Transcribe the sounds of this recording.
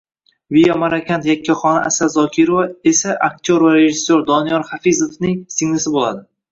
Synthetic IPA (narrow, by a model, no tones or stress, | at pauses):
viamaɾakʲʰant̪jakʲʰːaχɒnaʔa̰sazɒkʲʰiɾovae̞saʔakt̪ʰoɾvaɾe̞ʒɪsːoɾd̪ɒnijɒɾχafizofnɪŋsɪŋnɪsɪbolˠad̪ɪ